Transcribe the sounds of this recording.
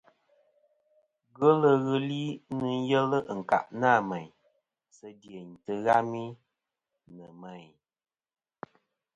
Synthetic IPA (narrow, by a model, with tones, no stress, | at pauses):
ɣə˦lə˦ɣɨ˦li˦nɨ˦n˦jə˦lə˦˨ŋ̩˨ka̰˨ʔnaː˦˨mɛ˨ɲ | sə˦dje˨n̩˨tɨ˨ɣa˦mi˦ | nɨ˨mɛ˨ɲ